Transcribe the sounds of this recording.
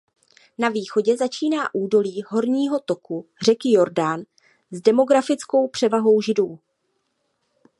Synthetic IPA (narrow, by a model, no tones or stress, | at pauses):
naviːxo̞ɟɛzat͡ʃiːnaːʔuːdo̞liːɦo̞ɾɲiːɦo̞t̪o̞kur̝ɛkɪjo̞ɾdan | zdɛmo̞ɡɾafɪt͡sko̞wpr̥ɛvaɦo̞wʒɪduː